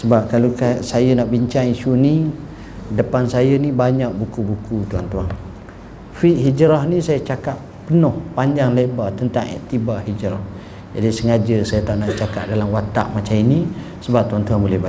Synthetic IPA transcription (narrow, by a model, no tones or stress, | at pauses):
səbap̚kalokasajənaʔbiɲt͡ʃaŋisuni | dəpansajənibaɲaʔ̚bukubukut̪uant̪uaŋ | fiʔɦid͡ʒɾahnisajat͡ʃakap | pənɔhpaɲd͡ʒaŋlebat̪ənt̪aŋɛ̰ʔt̪ibaʔhid͡ʒɾah | d͡ʒadisəŋad͡ʒəsajət̪aʔnaʔt͡ʃakap̚dalamwat̪a̰ʔmat͡ʃamini | səbap̚t̪uant̪uaŋbolɛhba